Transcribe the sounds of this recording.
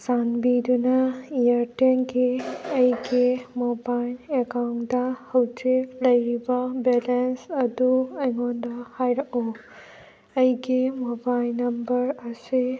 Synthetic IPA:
sanbidunaijaɾtenɡiɐjɡimɔbajlekawndahɐwtilɐjɾibabɛlensɐduɐjŋɔndahajɾaʔu | ɐjɡimɔbajlnːɐmbɐɾɐsi

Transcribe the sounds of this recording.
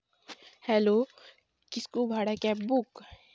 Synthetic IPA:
hɛlo | kɪskubʱaːɽakɛbʊk

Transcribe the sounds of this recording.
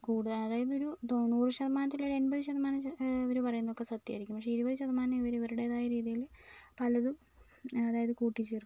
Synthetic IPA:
kuːɽuðɐɐðaːjɐðɨo̞ɾut̪onːuːrɨɕɐðɐmaːnɐt̪̬ːilɐɾe̞nbɐðɨɕɐðɐmaːnɐiʋɐɾupɐrɐjunːðokːe̞sɐt̪ːjɐ̰ɐɾikʲːumpːɐkʂeiɾubɐðɨɕɐðɐmaːnɐmiʋɐɾiʋɐɾuɽeðaːjɐɾiːðijilpɐlɐðum | ɐðaːjɐðɨkuːʈːit͡ɕːeːrku

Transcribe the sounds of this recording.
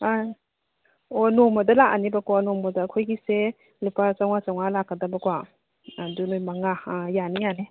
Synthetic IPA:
aj | onomɔdɐlaʔanibakwanɔmɔdɐkʰojɡise | lipʰat͡ʃaŋat͡ʃawŋalakːadabɐkwa | dunojmaŋajanijane

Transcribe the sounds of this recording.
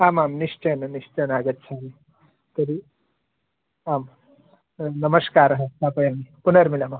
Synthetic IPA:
aːmaːmniʂt͡ʃɐnɐniʂt͡ʃɐnaːɡətːt͡ʃʰiaːmi | t̪ɐɾi | aːm | nɐməskaːɾɐɦə̃t̪apɐjamipunəɾmilaːmam

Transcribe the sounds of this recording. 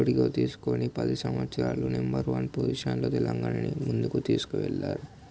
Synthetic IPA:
oɽiɡoːt̪iːsu̥koːnipɐd̪isɐmʋɐt̪sɾaːlunembɐɾʋɐnpoziʂɐnloːt̪ɛlɐŋɡaːnɐnimund̪ukut̪iːsu̥kuʋɛɭːaːɾu

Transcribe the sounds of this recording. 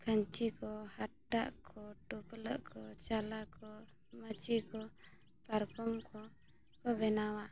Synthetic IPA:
kʰəɲt͡ʃikɔhaʈːa̰ʔkʰɔʈɔpləʔkʰɔt͡ʃalakɔ | mət͡ʃikɔ | paɾkɔmkʰɔ | kɔbɛnawa

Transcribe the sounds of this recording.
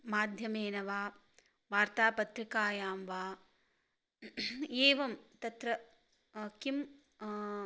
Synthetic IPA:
maːd̪ʱjɐmeːnɐʋaː | ʋaːɾt̪aːpɐt̪ɾikaːjaːmʋaː | eːʋɐmt̪ɐt̪ɾɐ | kim

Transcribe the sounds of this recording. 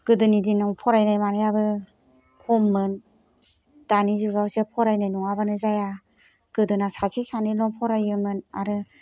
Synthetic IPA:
kɯdɯnidinaŋpʰɔɾajnajmanɯjabɯ | kʰɔmːɯn | d̥anizuɡawsepʰɔɾajnajnuŋabanɯzaja | kɯdɯnasasʰisanɯlɔŋpʰɔɾajɯmɯna̰ɾɯ

